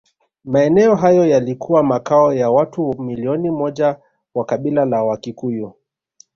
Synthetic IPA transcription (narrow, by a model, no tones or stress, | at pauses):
maɛnɛɔɦajɔjalikʰuwamakaɔjawatumiliɔnimɔʄa | wakaɓilalawakikuju